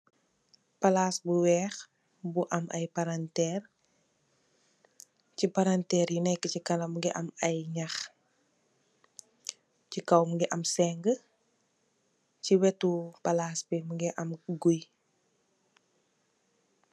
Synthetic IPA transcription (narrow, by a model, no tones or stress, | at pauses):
pɐlaːsbuwɛːx | buʔɐmʔɐjpaɾantɛːr | cipaɾantɛːɾjinɛkːəcikɐlɐmɡiʔɐmɐjɲax | cikɐwmuɡiʔɐmsɛŋɡə | ciwɛtupɐlaːsbimuɡiʔɐmɡuj